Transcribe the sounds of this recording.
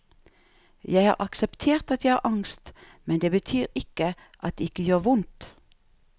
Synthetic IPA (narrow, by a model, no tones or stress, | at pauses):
jæɪhɑ̰ːʁʔɑksɛpt̪ʰeːʁt̪ɑt̪jæɪɑ̰ːʔɑŋst̪ | mɛnd̪eːbət̪ʰyːʁɪkə | ʔɑt̪̚d̪eːɪkəjøːʁʋʊnt̪